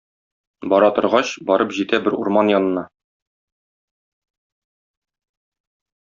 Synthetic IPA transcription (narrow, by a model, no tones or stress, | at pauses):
bɒɾɑt̪ŏɾʁɑɕbɒɾɤpʑit̪æbɘɾuɾmɑnjɒnɤ̆nɑ